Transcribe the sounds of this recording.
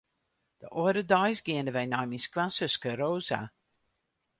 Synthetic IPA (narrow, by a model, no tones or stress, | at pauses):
d̥əʔoəɾədɔjsɡɪəndəʋɛjnɔjminskwansøskəɾoːza̰